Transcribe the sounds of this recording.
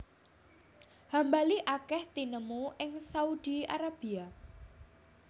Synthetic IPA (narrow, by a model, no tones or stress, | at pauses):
hambaliʔakɛht̪inəmuɪŋsaudia̰ɾab̥ia